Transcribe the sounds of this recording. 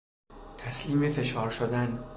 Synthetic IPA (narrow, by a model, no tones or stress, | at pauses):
t̪ʰæsliːmefe̞ʃɒːɾʃod̪æn